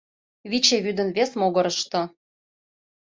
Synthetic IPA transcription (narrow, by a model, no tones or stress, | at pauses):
βit͡ɕeβyd̪ə̆nβesmoɣɤ̆ɾɤ̆ʃt̪ɤ̆